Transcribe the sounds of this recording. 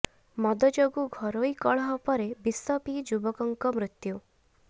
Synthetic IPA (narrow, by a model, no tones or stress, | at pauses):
mɔd̪ɔd͡ʒoɡuɡʱɔɾojkɔɭɔɦɔpɔɾebisɔpid͡ʒubɔkɔŋkɔmɾut̪ju